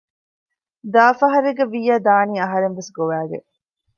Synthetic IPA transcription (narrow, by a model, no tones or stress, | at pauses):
d̪aːfɐɦɐɾeɡɐʋijɐd̪aːniːɐɦɐɾenʋesɡoʋæːɡḛ